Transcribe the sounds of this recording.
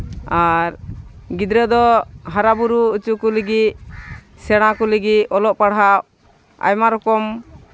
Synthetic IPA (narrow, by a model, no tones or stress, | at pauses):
aɾɡid̪ɾɛd̪ɔɦaɾabuɾuːt͡ʃukuləɡit̪̚ | sɛɽ̃ãkɔləɡit̪̚ɔlɔʔpaɽɦaʔ | a̰jmaɾɔkɔm